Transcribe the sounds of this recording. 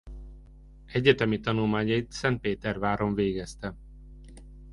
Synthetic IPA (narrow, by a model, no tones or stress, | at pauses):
ɛɟːɛt̪ɛmit̪ɒnulmaːɲɒit̪sɛnt̪̚peːt̪ɛrvaːɾo̞ɱveːɡɛst̪ɛ